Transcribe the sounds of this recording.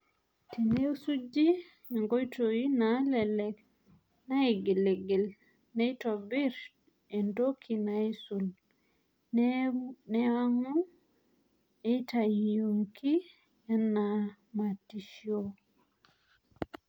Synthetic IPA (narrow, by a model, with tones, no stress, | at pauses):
ti˨ne˦u˦su˦d͡ʒi˦ | a˨ŋɡo˦jtoji˦nalɛ˨lɛ˦k | na˦e˨ɡe˨le˨ɡe˨l | nɛ˦itɔ˨bi˦ɾ | e˨ndokʰi˨nai˦su˨l | n | nɛa˦ŋu | etajijo˨ŋkʰi˦ | ɛ˦na | ma˨ti˨ʃjo